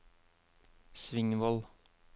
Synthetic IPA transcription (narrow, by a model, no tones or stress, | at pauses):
sʋɪŋʋɔl